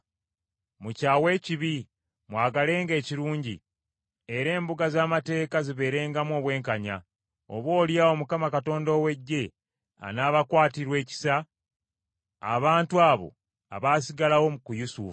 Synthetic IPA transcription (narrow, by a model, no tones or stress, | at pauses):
mucaːwe̞ːciβi | mwaːɡale̞ːŋɡe̞ːciɾuːɲɟḭ | e̞ɾe̞ːmbuɡazaːmate̞ːkaziβe̞ːɾe̞ːŋɡamwo̞ːβwe̞ːŋkaɲa̰ | o̞̰βwo̞ːljao̞mukamakato̞ːndo̞ːwe̞ɟːe̞ | a̰naːβakwaːtiɾwe̞ːci̥sa | βaːntuaːβo̞̰ | a̰βaːs̬iɡalawo̞mukujusṵf